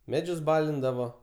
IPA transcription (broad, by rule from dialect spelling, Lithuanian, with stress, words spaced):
ˈmʲæːd͡ʒʲʊs ˈbɑːlʲɪndɐʋoː